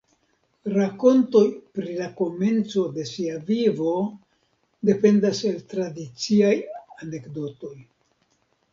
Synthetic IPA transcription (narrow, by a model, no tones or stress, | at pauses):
ɾako̞nto̞jpɾilako̞me̞nt͡so̞de̞siavivo̞ | de̞pe̞ndase̞ltɾadit͡siajane̞kdo̞to̞j